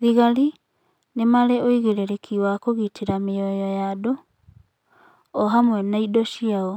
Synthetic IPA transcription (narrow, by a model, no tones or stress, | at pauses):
ðiɣaɾi | nemaɾeoiɣeɾeɾekʰiwakoɣitiɾamejɔjɔjado | ɔɦamwɛnaidɔʃiaɔ